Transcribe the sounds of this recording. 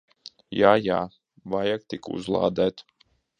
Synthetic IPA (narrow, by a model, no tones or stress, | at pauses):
jaːjaː | vajak̚t̪ikṵzlˠa̰ːd̪æːt̪